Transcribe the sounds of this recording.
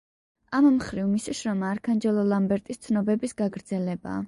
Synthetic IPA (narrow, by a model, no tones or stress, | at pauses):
ammχɾivmisiʃɾɔmaːɾkʰand͡ʒɛlˠɔlˠambɛɾt̪ʼist̪sʰnɔbɛbisɡ̥aɡɾd̪zɛlɛba̰ː